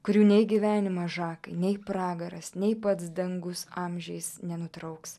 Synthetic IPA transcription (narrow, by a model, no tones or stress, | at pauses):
kʊɾʲuːnʲɛɪɡʲɪʋʲæːnʲɪmɐʒɑːkɐɪnʲɛɪpɾɑːɡɐɾɐsnʲɛɪpɐt̪sd̪ɐŋɡʊsɑːmʲʒʲɛɪsnʲɛnʊt̪ɾɐʊks